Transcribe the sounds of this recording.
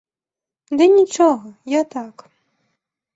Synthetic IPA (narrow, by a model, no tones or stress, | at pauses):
d̪ɛnʲit͡ʂɔɣɐjat̪ak